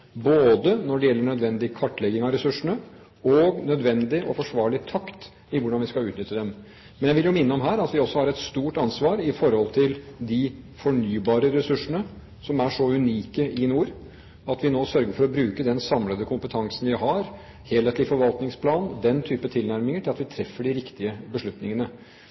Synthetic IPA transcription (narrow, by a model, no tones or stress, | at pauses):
boːd̪ənɔɖɛjɛlːəɳœd̪ʋɛnd̪ɪkʰɑʈːlɛɡɪŋɑɾɛsʉʂəɳə | ɔɡnœd̪ʋɛnd̪ɪʔɔ̰fɔʂʋɑːɭɪt̪ʰɑkt̪ | ɪʋʊɖɑnʋɪskɑʉːt̪nʏt̪ːəd̪ɛm | mɛnjæɪʋɪljʊmɪnːəɔmɦæːɾɑt̪ʋɪɔsːɔhɑɾɛt̪st̪uːʈɑnsʋɑːɾɪfɔɾhɔlt̪ʰɪld̪ɪfɔɳyːbɑːɾəɾɛsʉʂːəɳə | sɔmæʂɔʉniːkəʔɪnuːɾ | ɑt̪ʋɪnoːsœɾɡəɾfɔɾɔbɾʉːkəd̪ɛnsɑmləd̪əkʰʊmpət̪ʰɑŋsn̩ʋɪɦɑɾ | heːlheːt̪lɪfɔɾʋɑlt̪nɪŋspʰlɑːnd̪ɛnt̪ʰyːpət̪ʰɪlnæɾmɪŋəʈʰɪlɑt̪ʋɪt̪ʰɾɛfːəɖɪɾɪkt̪ɪəbəʂɭʉt̪nɪŋənə